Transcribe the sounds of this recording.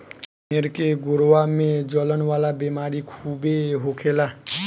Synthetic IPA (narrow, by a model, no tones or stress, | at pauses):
meɾkeɡoɾwamẽd͡ʒɔlənʋaːlabemaːɾikʰubeɦokʰela